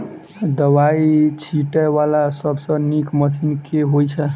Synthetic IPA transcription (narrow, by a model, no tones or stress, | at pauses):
d̪əwait͡ʃʰiʈɛʋalasəbsə̃nikməsinkeɦojt͡ʃʰɛ